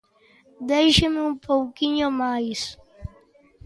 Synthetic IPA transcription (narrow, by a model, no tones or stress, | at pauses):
d̪ejʃemɪũmpowkiɲomajs